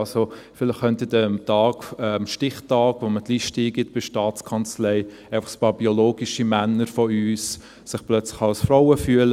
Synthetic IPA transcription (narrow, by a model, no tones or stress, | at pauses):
ɑsofɪlɪχːœnt̪ɪdɛmtɑːɡ̥ɛmʃtɪχtɑːɡ̥ʋomətliːʃtiːɡɪtb̥ɪʃtɑːt͡skʰɑnt͡slɛɪ | æɪfɑ̥χspɑːɾb̥iɔloːɡiʃimænːəɾfɔyːs | sɪχplœt͡slɪ̥χɑlsfɾaʊəfyələ